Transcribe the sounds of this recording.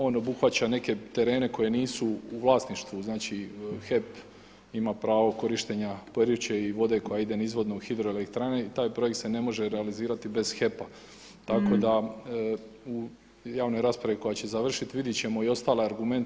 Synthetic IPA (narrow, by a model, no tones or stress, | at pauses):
o̞ːno̞buxʋat͡ɕane̞ke̞t̪e̞ɾe̞ːne̞ko̞je̞niːsuuʋlˠaːsniʃt̪ʋuznaːt͡ɕixe̞p | imapɾaːʋo̞ko̞ɾiʃt̪eɲapoeɾjut͡ɕe̞iʋo̞d̪e̞ko̞jaid̪e̞nizʋo̞d̪nouxid̪ɾo̞elekt̪ɾane̞it̪aːjpɾojekt̪sene̞mo̞ʒeɾealiziːɾat̪ibe̞zxe̞pa | t̪ako̞d̪a | u | jaːʋno̞jɾaːspɾaʋiko̞jat͡ɕe̞zaʋr̩ʃit̪ʋid̪jet͡ɕe̞mo̞io̞st̪aːleaɾɡume̞nt̪